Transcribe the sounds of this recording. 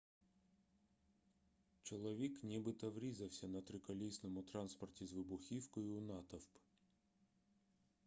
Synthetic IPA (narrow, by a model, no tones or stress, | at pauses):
t͡ʃɔlˠɔʋʲiknʲibɪt̪ɔʋɾʲizɐwsʲɐnɐt̪ɾɪkɐlʲisnɔmʊt̪ɾɑnspɔrtʲizʋɪbʊxʲiwkɔjʊːnɑt̪ɐwp